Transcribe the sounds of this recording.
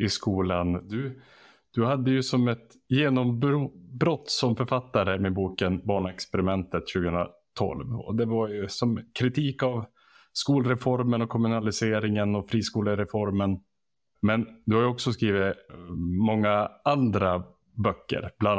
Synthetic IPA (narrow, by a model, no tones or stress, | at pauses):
ɪskuːland̪ɵ | d̪̥ɵhad̪ːəjɵsɔmɛt̪ | jeːnɔmbɾubɾɔt̪ːsɔmfœɾfat̪ːaɾəmɛbuːkənbɑːɳɛkspɛɾɪmɛnt̪ət̪ɕʉːɡəhɵnɾa̰t̪ʰɔ̰lvɔ̰d̪ɛvaɾjɵsɔmkʰɾɪt̪ʰiːkav | skuːlɾɛfɔɾmənɔkʰɔmɵnalɪseːɾɪŋənɔfɾiːskuːləɾɛfɔɾmən | mɛnd̪ɵhaɾjɵɔksɔskɾiːvɪt̪ | mɔŋːaand̪ɾa | bœkːə̰ɾb̥lan